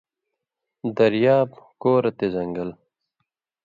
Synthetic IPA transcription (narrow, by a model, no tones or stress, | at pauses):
d̪ɐɾjaːbkoːɾɐt̪ezɐŋɡɐl